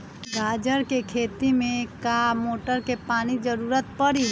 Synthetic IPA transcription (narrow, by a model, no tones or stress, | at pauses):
ɡaːd͡ʒəɾkekʰeːt̪imẽkamoːʈəɾkepaːnid͡ʒəɾuːɾət̪̚pəɽi